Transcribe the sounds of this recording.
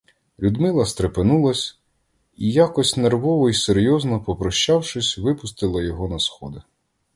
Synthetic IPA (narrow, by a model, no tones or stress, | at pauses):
lʲud̪mɪlˠɐst̪ɾepenulˠɐsʲ | ijakɔsʲtʲnerʋɔʋɔiseɾjɔznɔpɔpɾɔʃt͡ʃɑwʂɪsʲʋɪpʊst̪ɪlˠɐjɔɦɔnɐsxɔd̪ɪ